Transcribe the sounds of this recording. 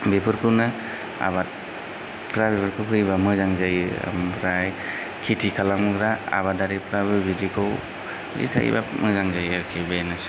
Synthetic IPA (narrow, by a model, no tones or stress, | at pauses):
bepʰɯɾkʰɯwna | a̰βat | kʰɾabepʰɯɾkʰɯwkʰɯjbamɯzaŋzaj̰mpʰɾaj | kʰitʰikʰalamɯɡɾaa̰βadaɾipʰɾabɯbizikʰɯw | zḭtʰa̰j̰ba̰mɯzaŋzajaɾkʰibenas